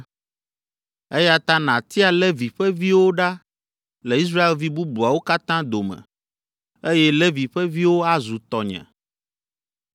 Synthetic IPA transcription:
e˦ja˦t̪a˦nã˨t̪i˦a˨lɛ˦vi˨ɸɛ˦vi˦wo˦ɖa˦ | lɛ˨i˦s̬ɾa˦e˨lvi˦bu˦bu˨a˨wo˦ka˦t̪ã˦d̪o˨mɛ̰̃˨ | e˦jɛ˦lɛ˦vi˨ɸɛ˦vi˦wo˦a˦zu˨t̪ɔ˨ɲɛ̰̃˨

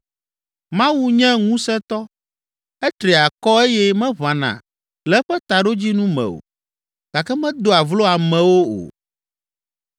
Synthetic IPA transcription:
mã˦wu˦ɲɛ̃˦ŋũ˦sɛ̃˦t̪ɔ˦ | ɛ˦t̪ɾi˨a˨kɔ˦e˦jɛ˦mɛ̃˦βa˨nã̰˨ | lɛ˨˦ɸɛ˦t̪a˨ɖo˦d͡ʑi˦nũ˦mɛ̰̃˨o̰˨ | ɡ̥a˨kɛ˦mɛ̃˦d̪o˨a˨vlo˦a˨mɛ̃˨wo˦o̰˨

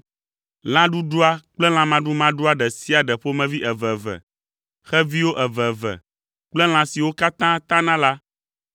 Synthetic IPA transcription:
l̃ã˦ɖu˦ɖu˦a˦k͡plɛ˦l̃ã˦mã˦ɖu˦mã˦ɖu˦a˦ɖɛ˨si˦a˨ɖɛ˨ɸo˦mɛ̃˨vi˦ʔɛ˨vɛ˨vɛ̰˨ | xɛ˦vi˦wo˦ʔɛ˨vɛ˨vɛ̰˨ | k͡plɛ˦l̃ã˨si˨wo˦ka˦t̪ã˦t̪ã˦nã˦la˦

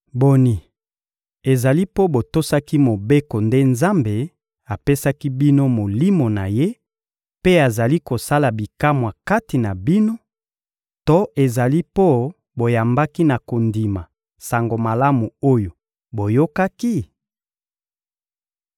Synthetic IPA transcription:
bo˨ni˨ | e˨za˨li˦po˦bo˨to˦sa˦ki˦mo˨be˦ko˨nde˦nza˦mbe˨ | a˨pe˦sa˦ki˦bi˦no˦mo˨li˦mo˨na˨je˦ | pe˦a˨za˨li˦ko˨sa˦la˨bi˨ka˦mwa˨ka˦ti˨na˨bi˦no˦ | to˦ʔe˨za˨li˦po˦ | bo˨ja˨mba˦ki˦na˨ko˨ndi˨ma˨ | sa˨ŋɡo˨ma˨la˦mu˨o˦jo˨ | bo˨jo˦ka˦ki˦

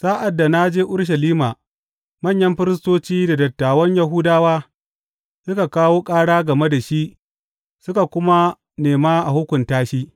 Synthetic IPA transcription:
saː˦ʔa˨dːa˨na˦d͡ʒeː˦ʔʊ˦ɽʃ̬ɐ˨liː˦ma˨ | mɐ˦˨ɲjɐ˦mɸɪ˦ɾɪ˦s̬toː˦t͡ʃiː˦da˨dɐ˨tːaː˨wɐ˦ɲjɐ˨ɦʊ˦daː˦waː˦ | sʊ˦ka˨kaː˦woː˦kʼaː˦ɽaː˦ɡɐ˨me˦da˨ʃi˦ʔ | sʊ˦ka˨kʷʊ˦ma˦ | neː˨maː˦ʔa˨hʊ˦kʷʊ˨ntaː˦ʃiː˦

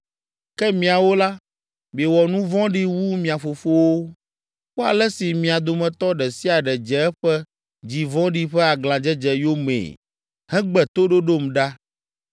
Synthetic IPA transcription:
kɛ˦mĩ˨a˨wo˦la˦ | be˨wɔ˨nũ˦vɔ̃˦ɖi˦wu˦mĩ˨a˨fo˨fo˦wo˦ | k͡po˦a̰˨lɛ˦si˨mĩ˨a˨d̪o˨mɛ̃˨t̪ɔ˦ɖɛ˨si˦a˨ɖɛ˨d͡ʒɛ˨ɛ˦ɸɛ˦ | d͡ʑi˨vɔ̃˦ɖi˦ɸɛ˦a˨ɡlã˨d͡ʒɛ˦d͡ʒɛ˨jo˦mḛː˨ | hɛ̃˦ɡ͡bɛ˨t̪o˦ɖo˦ɖo˦mɖa˦

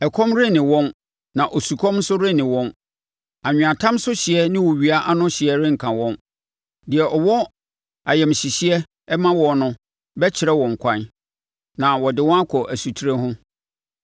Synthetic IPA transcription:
ɛ˨kʰɔ̃˦mɾɪ˦nɪ̃˨wɔ̃˦n | nã˨ʔo˨su˨kʰɔ̃˦mn̩˦sʊ˦ɾɪ˦nɪ̃˨wɔ̃˦n | a˨ɲ̃ᶣ˨a˨tʰã˦msʊ˦ɕɪ˨ɛ˦nɪ̃˦wɔ˨ɥi˨a˦ʔa˦nʊ̃˦ɕɪ˨ɛ˦ɾɪ̃˦ŋ̩˨kʰã˨wɔ̃˦n | dɪ˨ɛ˨ʔɔ˨wɔ˦ | a˨jɛ˨mɕi˨ɕi˦ɛ˦ | ɛ˦mã˦wɔ˨nʊ̃˦ | bɛ˦t͡ɕʰɪ˨ɾɛ˦wɔ̃˨ŋ̩˨kʷʰã˦n | nã˨wɔ˨dɪ˨˦wɔ̃˦a˦kʰɔ˨ʔæ˨su˨tʰi˦ɾe˦ɦʊ̃˦

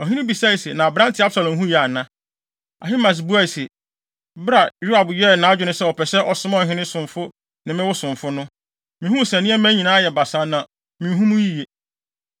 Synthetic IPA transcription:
ɔ˨ɦĩ˦nɪ̃˦bi˨sa˦i˨sɛ˨nã˨bɾã˦ntʰɪ˨˦a˦bsa˨lɔ̃˨mɦũ˦jɛ˨a˨nã˦ | a̰˨ɦi˦ma˨s̬bu˦a˦˨i˨sɛ˨ | bɾa˨ju˦a˨bɥɛ˦˨nã˨˦d͡ʑᶣʊ˦nʊ̃˦sɛ˦wɔ˨pʰɛ˨sɛ˦ʔɔ˨sʊ˦ma˦ɔ̃˦˨ɦɪ̃˦nɪ̃˦sʊ̃˨ɱfʊ˦ | nɪ̃˨mɪ̃˦wʊ˦sʊ̃˨mfʊ˦nʊ̃˦ | mɪ̃˨hũ˦˨sæ̃˨nɪ̃˦ɛ˦mæ̃˦ɲĩ˨nã˦a˦jɛ˨ba˨sa˦nã˨ | mɪ̃˨˦ɦũ˦mũ˦ji˦je˨

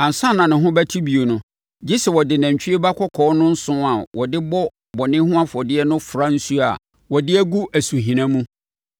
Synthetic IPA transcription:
ã˨n̩˨sã˦nã˨nɪ̃˨ɦʊ̃˦bæ˦tʰi˦bi˨o˨nʊ̃˨ | d͡ʑi˦sɛ˨wɔ˨dɪ˨nã˨ɲ˨t͡ɕᶣi˦e˦ba˦kʰɔ˦kʰɔː˨˦nʊ̃˦n̩˦sʊ̃˦a˨wɔ˨dɪ˦bɔ˦ | bɔ˨nɪ̃˦hʊ̃˦a˦fɔ˨dɪ˦ɛ˦nʊ̃˦fɾa˦n̩˦su˦a̰˨ | wɔ˨dɪ˦æ˦ɡu˦ʔæ˨su˨ɦĩ˨nã˦mũ˦

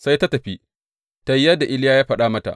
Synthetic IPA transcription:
sa˦jta˦tɐ˨ɸi˦ | ta˦jjɐ˦dːa˨ʔɪ˦ljaː˦jaː˦ɸɐ˦ɗaː˦mɐ˦ta̰˨ʔ

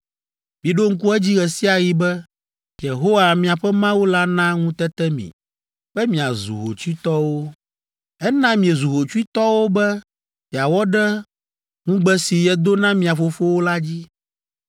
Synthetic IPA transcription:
mĩ˨ɖo˦ŋ̩˦k̬u˦ɛ˦d͡ʑi˦ɣɛ˨si˦a˨ji˨bɛ˦ | je˨ɦo˦wa˨mĩ˨a˨ɸɛ˦mã˦wo˦la˦nã˦ŋũ˦t̪ɛ˦t̪ɛ˦mḭ̃˨ | ɸɛ˦mĩ˨a˨zṵ˨ɦo̰˨t͡ʃu˦i˦t̪ɔ˦wo˦ | ɛ˦nã˦mĩ˨e˨zu˨ɦo˨t͡ʃu˦i˦t̪ɔ˦wo˦bɛ˦ | mĩ˨a˨wɔ˦ɖɛ˦ | ŋũ˦ɡ͡bɛ˦si˨jɛ˦d̪o˦nã˦mĩ˨a˨fo˨fo˦wo˦la˦d͡ʑi˦

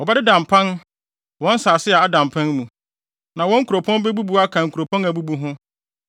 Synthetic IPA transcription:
wɔ˨ba˦dɪ˦dã˨mpʰã˦n | wɔ̃˦n˦saː˨sɪ˦ɛ˨a˦dã˨mpʰã˦nmũ˨ | nã˨wɔ̃˦ŋ̩˦ku˨ɾo˨pʰɔ̃˦n˦bɛ˦bu˦bu˦a˦kʰã˨ŋ̩˨kʰu˨ɾo˨pʰɔ̃˦næ˨bu˦bu˦ɦʊ̃˦

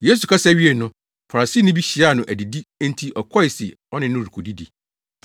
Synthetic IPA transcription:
je˦s̬u˨kʰa˦sæ˦ɥi˦e˨nʊ̃˦ | pʰa˨ɾa˨si˦nʊ̃˦bi˦ɕi˨a˦˨nʊ̃˨ʔæ˨di˨dĩ˦ntʰi˦ʔɔ˨kʰɔ˦ɪ˨sɪ˨ | ɔ˦nɪ̃˨nʊ̃˦˨ɾu˨kʰu˨di˦di˨

